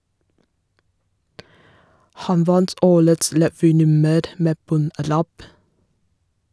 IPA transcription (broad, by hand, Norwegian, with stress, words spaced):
ˈhɑn ˈʋɑnt ˈoːɾəts ɾɛˈʋyːˌnʉməɾ ˈmeː ˈbɔnˌɾæp